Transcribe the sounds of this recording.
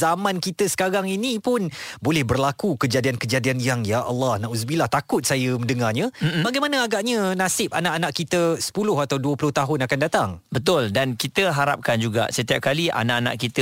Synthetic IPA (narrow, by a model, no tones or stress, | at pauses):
zamãnkit̪əsə̥kaɾaŋinipʊnbolɛhbərlakukəd͡ʒadiankəd͡ʒadianjaŋjaʔɑ̰lːɑhnaʔusbilaht̪akʊt̪̚sajəməndəŋaɲə̃m̩baɡajmanəaɡaʔɲənasɪp̚anaʔanãʔkit̪əsə̥pulʊɦat̪awduəpulʊht̪aɦʊnakandat̪aŋbət̪̬ʊldankit̪əɦaɾa̰p̚kand͡ʒuɡa̰sət̪iap̚kaliʔa̰naʔana̰ʔkit̪ə